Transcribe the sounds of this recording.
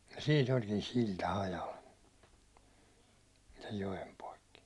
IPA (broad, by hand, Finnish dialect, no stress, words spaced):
jɑ siːn olkin siltɑ hɑjɑl sej jojem poikːi